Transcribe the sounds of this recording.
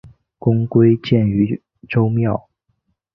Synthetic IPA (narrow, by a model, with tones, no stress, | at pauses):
kʊ˥ŋkwe˥ɪt͡ɕjɛ˥˩ny˧˥ | ʈ͡ʂo˥ʊmjɑ˥˨˩ʊ